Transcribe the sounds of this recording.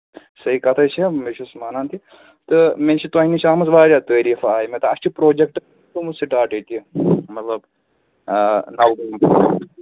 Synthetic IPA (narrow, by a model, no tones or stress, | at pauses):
sɐikɐt̪ʰɐt͡ʃʰimet͡ʃʰusmaːnaːnt̪ʰi | t̪ɨment͡ʃʰit̪oɦinit͡ʃʰaːmɐsbaːɾʲat̪əːɾiːfaːjmet̪ɨɐst͡ʃʰipɾoːd͡ʒek̚ʈ | t̪umussiʈaːʈət̪imɐt̪lɐb | nɐwɡum